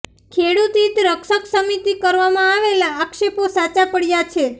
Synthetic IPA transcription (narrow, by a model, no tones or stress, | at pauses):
kʰeɽut̪it̪ɾəkʃəksəmit̪ikəɾʋamãaʋelaːkʃeposat͡ʃapəɽjat͡ʃʰe